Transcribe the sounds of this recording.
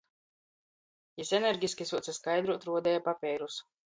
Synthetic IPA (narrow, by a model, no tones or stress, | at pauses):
jisɛnʲɛɾɡʲisʲkʲisuɔt̪sɛskajd̪ɾut̪ɾuɔd̪ɛjapapʲɛjɾus